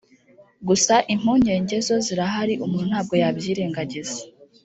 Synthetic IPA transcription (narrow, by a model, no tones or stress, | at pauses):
ɡusaʔim̥huːɲe̞ːɲɟe̞zo̞ziɾaɦaɾiʔumuːnun̥haːb̚ɡo̞jabjiːɾe̞ːŋɡaɟize